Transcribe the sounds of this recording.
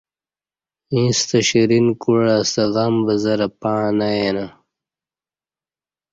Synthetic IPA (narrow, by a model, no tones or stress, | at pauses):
ĩːst̪ɐɕiɾinkuɻast̪ɐɣɐmbɐzɐɾɐpaːnajena